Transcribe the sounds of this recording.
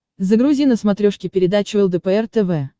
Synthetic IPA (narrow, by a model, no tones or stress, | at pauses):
zəɡɾʊzʲinəsmɐt̪ɾʲoʂkʲɪpʲɪɾʲɪd̪at͡ɕʊɛlˠd̪əpəɛrt̪ɛvɛ